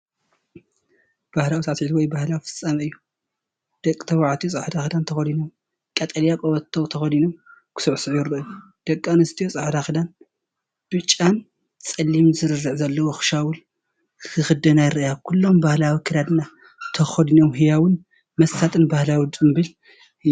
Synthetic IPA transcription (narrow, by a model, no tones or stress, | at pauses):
b̥ahlawisasʕit̪wɔjbahlawfɨ̥sʼːɐmɐɨjːu | d̪̥ɐkʼːi̥t̪ʰɐwaʕat̪ʰijosʼaħd̪axɨd̪ant̪ʰɐxɐd̪inom | kʼɐt̪ʼɐljakʼoβɐt̪ʰːowt̪ʰɐxɐd̪inomkʰɨ̥suʕsɨʕjɪɾɨju | d̪̥ɐkʼːanɨst̪ʰijosʼaħd̪axɨd̪an | b̥ɨt͡ʃʼːan | t͡sʼɐlːimzɨɾɨrːɨʕzɐlːɐwoxɨ̥ʃawʊl | kʰɨxɨd̪ɐnajɨɾɐjakʰulːo̞mbahlawikʰɨɾjad̪ɨnːa | t̪ʰɐxɐd̪inomɦɨjawɨn | mɐst̪at̪ʼɨnbahlawd̪ʼɨmbɨl